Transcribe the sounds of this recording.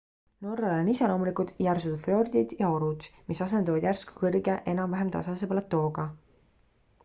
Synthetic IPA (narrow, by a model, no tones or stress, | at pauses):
no̞rːɑlonisɑlo̞ːmulikult̪jærsut̪ud̪flo̞rd̪̥id̪̥jɑo̞ɾud̪̥misɑs̬e̞nɑvɑd̪̥jærsku̥kɤrɡeʔenɑmvæɦemt̪ɑ̰sɑsepɑlɑt̪ːo̞ːɡ̥ɑ